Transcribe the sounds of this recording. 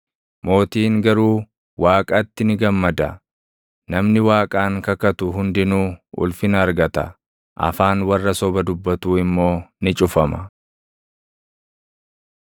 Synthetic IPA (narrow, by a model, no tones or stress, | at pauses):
mo̞ːt̪iːŋɡɐɾuː | wʔaːkʼɐt̪ːɪnɪɡɐmːɐd̪ɐ | nɐmnɪwaːkʼaːŋkɐkɐt̪ʊɦʊnd̪ɪnuːʔʊ̰lfɪnɐːɾɡɐt̪ɐ̰ | ʔɐ̰faːnwɐrːɐsɔbɐd̪ʊbːɐt̪uːɪmːo̞ːnɪt͡ʃʼʊfɐmɐ